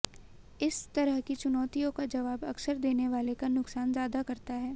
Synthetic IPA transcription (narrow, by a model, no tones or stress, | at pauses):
ɪst̪ɐɾəɦkit͡ʃʊnɔːt̪ijõkad͡ʒɐʋaːbɐksəɾd̪eːneʋaːlekanʊksaːnzjaːd̪akɐɾt̪aɦɛː